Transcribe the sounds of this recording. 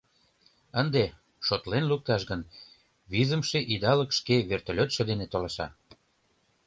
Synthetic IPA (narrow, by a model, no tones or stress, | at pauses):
ənd̪e | ʃot̪lenluk̚t̪ɑʃɡən | βizəmʃeʔid̪ɑləkʃkeβert̪olʲot̪ʃed̪enet̪olɑʃɑ̰